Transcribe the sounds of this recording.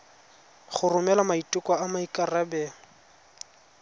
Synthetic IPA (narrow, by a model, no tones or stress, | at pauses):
χʊrʊmɛlamaitʼʊkʼɔamaikʼarabɛ